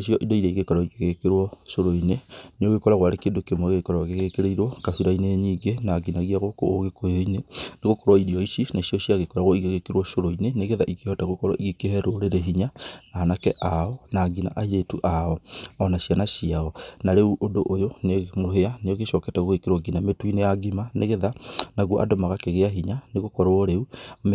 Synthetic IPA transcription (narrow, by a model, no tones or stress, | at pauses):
eʃjɔʔidoiɾeiɣekɔɾɔiɣeɣekeɾwɔʃoɾoineneoɣekɔɾaɣwaɾekeːndokemoeɣekɔɾwaɣeɣekeɾeiɾwɔkafiɾaineɲiːɡenaɡinaɣiaɣoko̰oɣekojoineneɣokɔɾwaiɾiɔisinaʃiɔʃiaɣekɔɾaɣwɔiɣeɣekeɾwɔʃoɾoineneɣeðaʔikehɔtaɣokɔɾwa̰ʔiɣekehɛɾoɾeɾeɦiɲanaːnakɛʔaɔnaːɡina̰ʔaiɾetṵʔaɔɔnaɕjanaɕiaɔnaɾeuʔodoʔojonemoɦeanejɔɣeʃɔkɛtɛɣoɣekeɾwaɡinametuineaɡimaneɣeðanaɣwoʔa̰dɔmaɣakeɣeaɦiɲaneɣokɔɾɔɾeum